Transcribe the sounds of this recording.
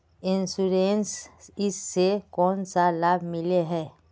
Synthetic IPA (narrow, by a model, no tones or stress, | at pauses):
ɪnsuɾensɪsːekɔːnsalaːbʱmɪleɦɛː